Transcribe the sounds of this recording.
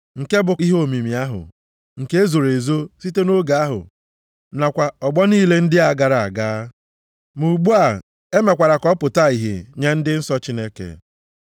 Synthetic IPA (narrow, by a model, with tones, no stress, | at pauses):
ŋ̩˨ke˦bʊ˨i˦ɦo˦mi˨mi˨a˦ɦʊ̰˨ | ŋ̩˨ke˦e˦zo˨ɾe˨zo˦si˦te˦no˦ɡa˨a˦ɦʊ̰˨ | na˨kʷa˨ɔ˨ɡ͡bɔ˦niː˦˨le˦n̩˦dɪ˦a˨ɡa˨ɾa˨a̰˨ɡaː˦ | mu˨ɡ͡bu˦a˦˨ | e˦me˨kʷa˨ɾa˨kɔ˦pʊ˨ta˦i˨ɦḛ˨ɲe˦n̩˦dɪ˦n̩˦sɔ˦t͡ʃi˦ne˦kḛ˨